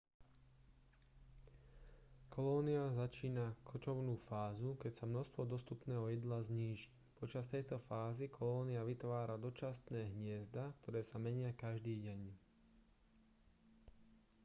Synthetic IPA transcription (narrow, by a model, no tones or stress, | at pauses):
kʰɔlɔːniazat͡ʃiːnakʰɔt͡ʃɔʊnuːfaːzukɛcsamnɔst̪ʋɔd̪ɔst̪upnɛːɦɔjɛd̪lazɲiːʒi̥c | pɔt͡ʃast̪ɛjt̪ɔfaːzikʰɔlɔːniaʋit̪ʋaːɾad̪ɔt͡ʃast̪nɛːɦɲɪɛzd̪ak̚t̪ɔɾɛːsamɛɲɪakaʒd̪iːɟɛɲ